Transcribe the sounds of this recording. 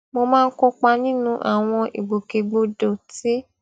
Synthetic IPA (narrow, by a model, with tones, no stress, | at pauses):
mo˧mãː˦˧n̩˦ko˧k͡pa˧nĩ˦nũ˦ʔa̰˦˨w̃ɔ̃˧ʔḭ˨ɡ͡bo˨ke˧ɡ͡bo˧do˨ti˨˦